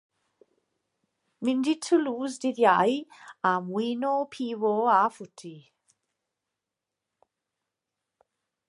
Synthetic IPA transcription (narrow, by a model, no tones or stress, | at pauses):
minditʰuluːzdiðjajamwiːnopʰiːwoafutʰi